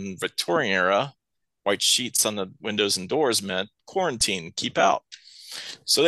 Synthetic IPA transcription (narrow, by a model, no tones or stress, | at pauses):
nvɨk̚tʰɔɹĩŋɛɹə | waɪtʃitsn̩ðəwɪ̃ndoʊzn̩dɔɹzmɛt̚kʰw̥ɔɹɨ̃ntʰĩnkʰipaʊt̚ | soʊð